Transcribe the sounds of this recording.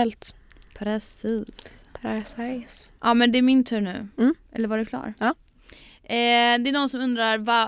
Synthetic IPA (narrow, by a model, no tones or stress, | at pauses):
ɛlt̪ | pʰɾɛsiːspɾɛssʔɑːmɛnd̪ɛæɾmɪnt̪ʰʉ̟ːɾnʉ̟ːʔɛ̰lːəɾvaɖɛkʰlɑ̰ːɾ | ɛd̪ɛænɔnsɔmɵnd̪ɾaɾva